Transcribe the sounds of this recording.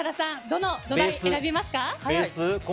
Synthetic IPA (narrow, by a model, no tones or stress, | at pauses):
ad̪asãd̪o̞nod̪oaseɾabʲimasɨ̥kaesɨk